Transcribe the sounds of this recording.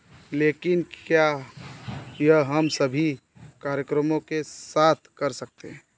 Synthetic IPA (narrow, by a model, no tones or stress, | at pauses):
lekɪnkja | jəɦɦəmsəbʱikaɾjəkɾəmõkesat̪ʰkəɾsək̚t̪eɦɛ̃